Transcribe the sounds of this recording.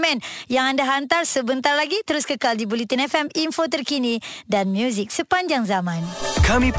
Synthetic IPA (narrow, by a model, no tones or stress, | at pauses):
mɛ̃njaŋandaɦant̪arsəbənt̪arlaɡit̪əɾʊskəkaldibulit̪ənɛfɛminfot̪ərkinidanmjuzik̚səpaɲd͡ʒaŋzamãnkamĩp